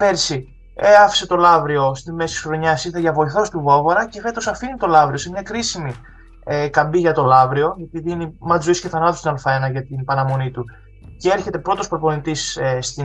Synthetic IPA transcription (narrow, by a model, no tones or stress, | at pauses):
peɾsi | eɐfi̥se̞t̪o̞lɐvɾio̞st̪ime̞sisxɾo̞ɲɐsiθeʝɐvo̞iθo̞st̪uvovoɾɐce̞fe̞t̪o̞sɐfinit̪o̞lɐvɾio̞semɲɐkɾisimi | kɐmbiʝɐt̪o̞lɐvɾio̞ep̪iðinimɐzoisceθɐnɐt̪ost̪inɐlfɐenɐʝɐt̪inpɐnɐmo̞nit̪u | cee̞ɾçe̞t̪e̞pɾo̞t̪o̞spɾopo̞nit̪isest̪i